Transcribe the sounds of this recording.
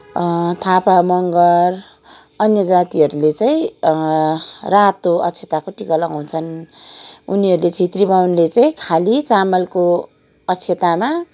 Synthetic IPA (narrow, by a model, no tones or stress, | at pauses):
t̪ʰapamʌŋɡʌr | ʌnjʌd͡zat̪iɦʌɾulet͡saĩ | rat̪oʌ̰t͡sʰjet̪akoʈikʌlʌŋɦunt͡sʰʌn | uniɦʌɾulet͡sʰĩt̪ribawnlet͡saĩkʰalit͡samʌlko | ʌt͡sʰet̪ama